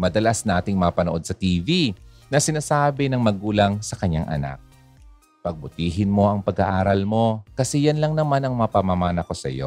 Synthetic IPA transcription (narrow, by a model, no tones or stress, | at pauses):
mɐd̪ɐlasnaːt̪ɪŋmɐpɐnoʔo̞d̪̚sɐt̪iːvi | nɐsɪnaːsaːbɪnɐŋmɐɡuːlɐŋsɐkɐɲaŋʔɐ̰na̰k̚ | pɐɡ̚bʊt̪iːɦɪnmo̞ʔɐŋpɐɡa̰ʔaːɾɐlmo̞kɐsɛjɐnlɐŋnɐmanɐŋmɐpɐmamaːnɐko̞sɐ̰jo̞̰